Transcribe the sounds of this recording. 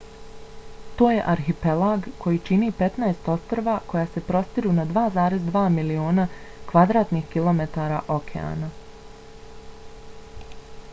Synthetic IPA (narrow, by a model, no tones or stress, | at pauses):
t̪o̞ːje̞ʔaɾxipelaɡko̞jit͡ʃiniːpe̞t̪naest̪o̞st̪ɾoʋakʰo̞jaːse̞pɾo̞st̪iɾunad̪ʋaːzaːɾe̞zd̪ʋaːmilio̞ːnakʋad̪ɾaːt̪nixkilˠo̞met̪aːɾa̰ʔo̞kʰḛa̰ːna